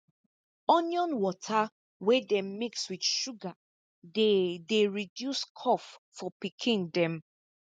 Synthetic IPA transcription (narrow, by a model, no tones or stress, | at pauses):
ɔnjɔ̃nwɔtʰa | wedɛ̃mmikswidʃuɡa | dedeɹidjuskʰɔffɔpikʰĩndɛ̃m